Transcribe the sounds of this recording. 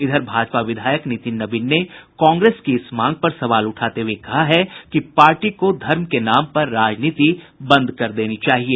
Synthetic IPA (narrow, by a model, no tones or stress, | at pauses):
ɪd̪ʱəɾbʱaːd͡ʒpaʋɪd̪ʱaːjəknɪt̪ɪnːɐbɪnːekɔ̃ːŋɡɾeːskiɪsmãːŋɡ̚pɐɾsɐʋaːlʊʈʰaːt̪ewekɐɦaɦɛkipaːɾʈikod̪ʱɐɾmkenaːmpɐɾːaːd͡ʒniːt̪i | bɐ̃nd̪ʱkɐɾd̪eːnit͡ʃaːɦieː